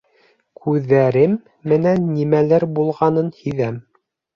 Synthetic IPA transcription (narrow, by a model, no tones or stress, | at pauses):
kʰʉðːæɾɘmː | ɘ̆nænːimælæɾbulˠʁɑnɤnhiðæm